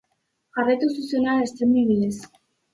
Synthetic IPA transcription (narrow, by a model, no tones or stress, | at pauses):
aret̪ususjonalest̪emiβiles